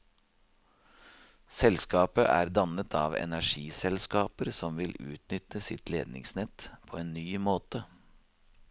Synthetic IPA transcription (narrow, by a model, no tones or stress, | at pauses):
sɛlskɑːpəʔæ̰ːɾd̪ɑnət̪ʰɑ̰ːʋɛ̰næʂiːsɛlskɑːpəɾsɔmʋɪlʉ̰ːt̪nʏt̪əsɪt̪leːd̪nɪ̰ŋsnɛt̪pʰoːeːnnyːmoːt̪ə